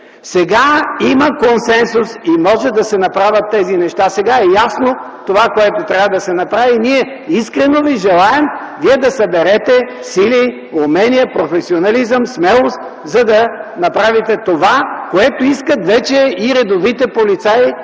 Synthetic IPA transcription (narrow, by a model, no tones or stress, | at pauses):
sɛɡaiməkonsɛnsʊsimɔʒɛd̪ɐsɛnɐpɾavʲət̪ːɛzinɛʃt̪asɛɡaɛjasno | t̪ovakoɛt̪ot̪ɾʲavəd̪ɐsɛnɐpɾaviniɛ | iskɾɛnoviʒɛlˠaɛm | viɛd̪ɐsɐbɛɾɛt̪ɛ | sili | omɛnijɐpɾofɛsionɐlizəmsmɛlˠost̪ | zɐd̪ɐnɐpɾavit̪ɛt̪ovakoɛt̪oiskət̪vɛt͡ʃɛiɾɛd̪ovit̪ɛpolit̪sai